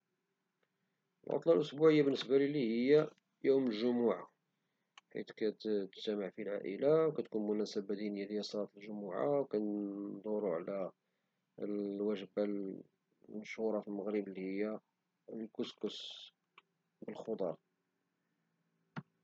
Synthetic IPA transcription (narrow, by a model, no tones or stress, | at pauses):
əlʕo̰t̪ˤlɑlʔʊsbuʕəjːabənːəsbælilːihəjːæ | juməlʒʊmuʕa | ħḭt̪kæt̪t̪t̪æməʕfilʕa̰ʔə̰lawkæt̪kunmʊnæsəbæd̪inəjad̪əjːæsˤːɑlɑt̪lʒʊmuʕa̰wkænd̪ˤuɾuʕlæ | wæʒəbæl | nəʃhuɾˤɑfilməɣɾəblːihəjːæ | lkʊskʊs | bəlxod̪ˤɑɾˤ